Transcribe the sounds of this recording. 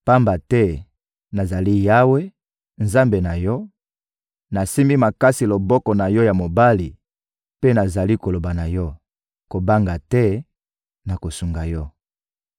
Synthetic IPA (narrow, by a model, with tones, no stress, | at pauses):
pa˦mba˨tɛ˦ | na˨za˨li˦ja˦we˦ | nza˦mbe˨na˨jɔ˦ | na˨si˦mi˦ma˨ka˦si˨lo˨bɔ˦kɔ˨na˨jɔ˦ja˨mo˨ba˦li˨ | pe˦na˨za˨li˦ko˨lo˨ba˨na˨jɔ˦ | ko˨ba˦ŋɡa˨tɛ˦ | na˨ko˨su˨ŋɡa˨jɔ˦